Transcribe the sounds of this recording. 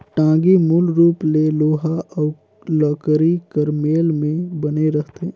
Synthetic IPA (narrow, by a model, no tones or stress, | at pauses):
ʈãːɡimulɾuːpleloːɦa | lɔːkɾikəɾmeːlmẽbəneɾəɦt̪e